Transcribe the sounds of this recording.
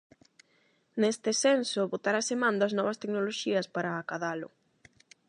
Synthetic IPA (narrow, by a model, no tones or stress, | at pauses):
nest̪ɪsensʊβot̪aɾasemãnd̪aznɔβɐst̪eknoloʃiɐspaɾaːkaðalʊ̰